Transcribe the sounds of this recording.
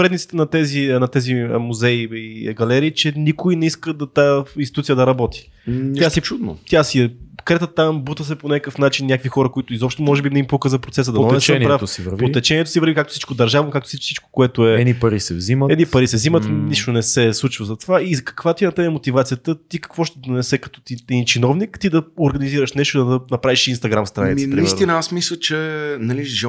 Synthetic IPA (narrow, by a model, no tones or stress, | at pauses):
ɾɛd̪nit̪st̪ɛnɐt̪ɛzinɐt̪ɛzimuzɛiiɡɐlɛɾiːt͡ʃɛnikʊinɛiskəd̪ɐt̪ainsit̪ut̪ijəd̪ɐɾɐbɔt̪i̥ | jast͡ʃud̪no̰t̪ʲjasiɛkɾɛt̪ət̪ambut̪əs̬ɛponʲakkəfnat͡ʃinːnʲjakvixɔɾəkoit̪ʊizɔpʃt̪omɔʒɛbimnɛimpukəzɐpɾot̪sɛsəd̪ɐɛɛsənpɾaft̪sivɾvpot̪ɛt͡ʃɛniɛt̪o̥sivəɾvikakt̪o̥sit͡ʃkod̪ɐɾʒavnokakt̪o̥sisi̥t͡ʃko̥koɛt̪ʊɛɛnipɐɾisɛ̰vziməɛd̪nipɐɾisɛvzimətt̪niʃt̪onɛsɛslˠut͡ʃvɐzɐt̪ovaizkɐ̥kvat̪inɐt̪ɛnɛmot̪ivat̪siət̪ət̪ikɐ̥kvɔʃt̪ɛd̪onɛsɛkɐt̪ɔ̥t̪it̪int͡ʃinɔvnikt̪id̪ɐoɾɡɐniziɾəʃnɛʃt̪ʊid̪ɐɐnɐpɾaviʃinst̪ɐɡɾamst̪ɾanitmɛnpɾiiɛsɾt̪inəasmislʲˠət͡ʃɛnɐliʒɛ